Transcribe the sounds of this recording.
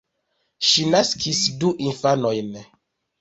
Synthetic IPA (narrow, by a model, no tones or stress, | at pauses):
ʃinaskʰisduʔinfanojn